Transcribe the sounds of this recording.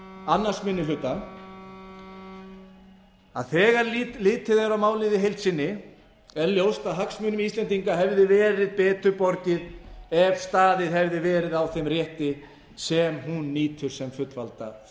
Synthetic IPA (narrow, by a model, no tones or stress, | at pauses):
anːasmɪnːɪlʏt̪ːa | a̰ðθɛːɣaɾlɪːt̪ɪðɛɾawmaːwlɪðɪɦejlt̪sɪnːɪ | ɛɾljowst̪aðɦaksmʏnʏmist̪lɛnt̪iŋkaɦɛvðɪvɛːɾɪðpɛːt̪ʏɾpɔɾcɪðɛv̥st̪aːðɪðɦɛvðɪvɛːɾɪðawθejmrjɛht̪ɪ | sɛmɦunːiːt̪ʰʏɾ̥sɛmfʏt̪valt̪a̰